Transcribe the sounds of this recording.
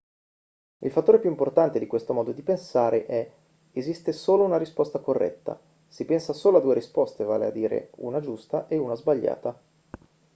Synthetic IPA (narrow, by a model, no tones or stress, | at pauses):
ilfat̪ːoːɾepjuimport̪ant̪ed̪ikwest̪omɔːd̪od̪ipensaːɾeʔɛ | ezist̪esoːlounaɾispɔst̪akorːʔɛ̰t̪ːa̰ | sipɛnsasoːload̪ːueɾispɔst̪eva̰ːlḛa̰d̪ːiːɾḛṵnad͡ʒust̪aʔeunazbaʎːa̰ːt̪a